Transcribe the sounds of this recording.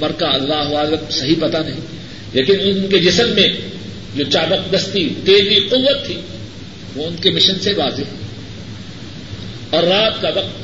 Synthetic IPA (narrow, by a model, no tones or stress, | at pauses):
mɐɾkaɐlːaːɦʊaːzɾəmsɐɦipɐt̪anɐɦĩ | leːkɪnʊnked͡ʒɪsəmːẽ | d͡ʒoːt͡ʃaːb̪ɐqd̪ɐst̪it̪eːɾiqʊʋːət̪ʰːiː | ʋoʊnkemɪʃənseʋaːzeɦɛː | ɔːɾːaːt̪̚kaʋɐq̚t̪